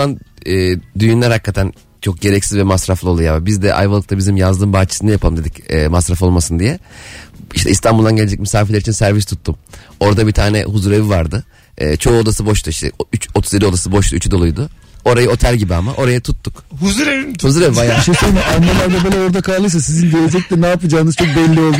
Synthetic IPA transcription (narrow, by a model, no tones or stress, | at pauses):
anɛːd̪yjynlʲæɾhakːat̪ʰæn | t͡ʃʰo̞k̚ɟe̞ɾɛcsizvɛmasɾaflˠɯo̞lˠujabbizd̪ɛʔa̰jvalˠɯk̚t̪ʰabizimjazd̪ɯːmbaːt͡ʃʰi̥sɯnajapʰalˠɯmnd̪e̞d̪icɛːmasɾafo̞lˠmasɯnd̪ijɛ | iʃt̪ʰɛ̰ist̪ʰanbulˠd̪anɟeled͡ʒɛcmisaːfelʲeɾit͡ʃinsæɾvist̪ʰu̥t̪ʰːumo̞ɾd̪abit̪ʰaːnɛ̰huzuɾe̞vivaɾd̪ɯː | t͡ʃʰo̞ːod̪asɯbo̞ʃt̪ʰuiʃt̪ʰɛ̰yt͡ʃot̪ʰu̥zeio̞d̪asɯbo̞ʃt̪uyt͡ʃʰyd̪o̞lˠujd̪ʊ | o̞ɾajɯo̞t̪ʰælʲɟibiamaʔo̞ɾajat̪ʰut̪ːukhuzuɾevihuzuɾevivajaʃiʃemaɾmalˠaɾd̪abelʲɛo̞ɾd̪akʰallˠɯjs̬asizind̪elʲed͡ʒɛc̚lʲɛnaːpɯd͡ʒaːnɯz̥t͡ʃʰo̞k̚bɛlʲːio̞lˠd̪u